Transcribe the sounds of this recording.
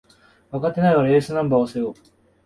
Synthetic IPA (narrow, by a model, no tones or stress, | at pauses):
βakat̪ːe̞naiβaɾe̞ːsɨnãmbaːose̞jo